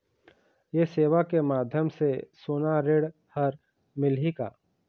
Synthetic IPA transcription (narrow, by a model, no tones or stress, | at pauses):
jeseːʋakemaːd̪ʱjəmsesoːnaɾeːɽ | həɾ | mɪlɦika̰ː